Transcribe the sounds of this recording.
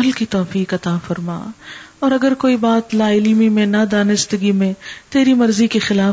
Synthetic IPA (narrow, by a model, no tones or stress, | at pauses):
ɐlkit̪ɔːfiːkɐt̪aːfɐɾma̰ːɔːɾɐɡəɾkoːibaːt̪laːɪlimimẽnad̪aːnɪst̪əɡimẽt̪eːɾimɐɾzikexɪlaː